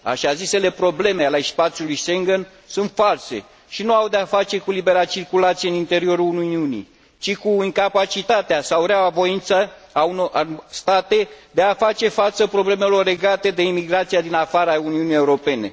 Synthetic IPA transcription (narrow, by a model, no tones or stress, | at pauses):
a̰ʃazise̞le̞pɾo̞ble̞meale̞spat̪sjulujʃeŋɡən | sunt̪false̞̰ | ʃinuawd̪eafat͡ʃe̞kulibe̞ɾat͡ʃirkulat̪sijeɨnint̪e̞ɾio̞ɾuununiunḭ | t͡ʃikuiŋkapat͡ʃit̪at̪easauɾeawavo̞int̪səːunost̪at̪e̞d̪e̞afat͡ʃe̞fat̪səpɾo̞ble̞me̞lo̞rːe̞ɡat̪e̞d̪e̞imiɡɾat̪sijad̪inafaɾəauniunije̞uɾo̞pe̞ne̞̰